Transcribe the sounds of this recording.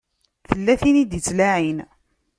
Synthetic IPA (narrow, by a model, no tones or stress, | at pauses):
θəlːæθinid̪jət͡sːlæʕin